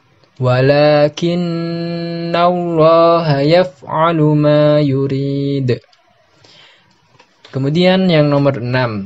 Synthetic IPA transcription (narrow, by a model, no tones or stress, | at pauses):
walaːkɪnː | alːɑːɦajafʕalumaːjuɾiːd̪ | kəmudianjaŋnɔmərənam